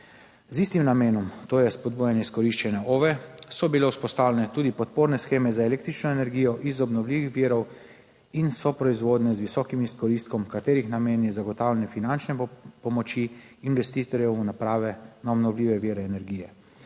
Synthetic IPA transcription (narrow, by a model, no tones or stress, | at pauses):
zist̪imnameːnɔmt̪oːjɛspɔd̪buːjɛnjɛiskɔɾiʃt͡ʃɛnɛʔoʋɛsɔbilɛuspɔst̪aːwlɛnɛt̪uːd̪ipɔt̪̚poːɾnɛsxeːmɛzaeleːk̚t̪ɾit͡ʃnɔenɛɾɡijɔʔizɔbnɔwlʲiːʋixʋiːɾɔw | insɔpɾɔizʋoːd̪nɛzʋisɔkimiskɔɾist̪kɔmkat̪eːɾixnameːnjɛzaɡɔt̪aːwlʲɛnɛfinant͡ʃnɛpɔmɔt͡ʃiː | nʋɛst̪iːt̪ɔɾjɛunapɾaːʋɛnaɔbnɔwlʲiːʋɛʋiɾɛːnɛɾɡiːjɛ